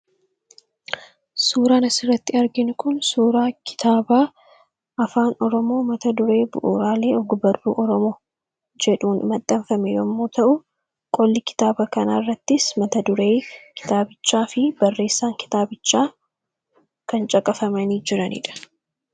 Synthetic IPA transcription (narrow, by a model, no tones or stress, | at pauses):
suːɾaːnɐsɪrːɐt̪ːɪɐɾɡɪnʊkʊnsuːɾaːkʰɪ̥t̪aːbaː | ʔɐfaːnɔɾɔmo̞ːmɐt̪ɐd̪ʊɾe̞ːbʊ̰ʔʊɾaːle̞ːɔɡʊbɐrṵːʔɔɾɔmo̞ː | d͡ʒɛᶑuːnɪmɐt̪ʼːɐɱfɐmɛjɔmːoːt̪ɐʔʊ | kʼɔlːɪkɪ̥t̪aːbɐkɐnaːrːɐt̪ːɪsmɐt̪ɐd̪ʊɾeːkʰɪ̥t̪aːbɪt͡ʃːaːfɪb̥ɐrːe̞ːsːaːŋkɪ̥t̪aːbɪt͡ʃːaː | kɐnt͡ʃʼɐkʼɐfɐmɐniːd͡ʒɪɾɐnḭːᶑɐ̥